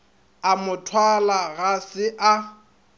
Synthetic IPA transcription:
amʊtʰwalaɣasɪʔa

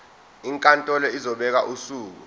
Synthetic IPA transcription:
iŋkʼantʼɔlɔizɔɓɛk̬aʔusuːk̬u

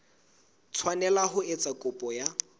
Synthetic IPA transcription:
t͡sʰwanɛlaɦʊɪt͡sʼakʼʊpʼɔja

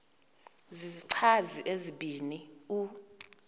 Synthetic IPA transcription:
ziziǀʰaziʔeziɓʱiːniu

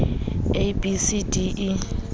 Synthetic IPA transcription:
ebisidiʔː

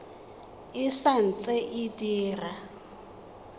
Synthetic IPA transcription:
isan̩t͡sʼɛʔidiːra

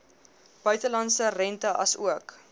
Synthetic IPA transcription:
b̥œɥtəlɐntsərɛntəʔɐsuək

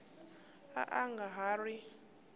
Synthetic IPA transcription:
a̰ʔaŋɡaɦari

